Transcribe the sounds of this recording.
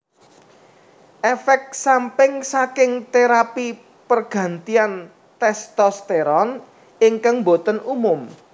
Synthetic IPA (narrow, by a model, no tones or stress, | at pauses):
ʔefɛk̚sampɪŋsakɪŋt̪eɾapi | pərɡ̥ä̤nt̪ian | t̪ɛst̪ɔst̪eɾɔn | ɪŋkaŋmbot̪ənumʊm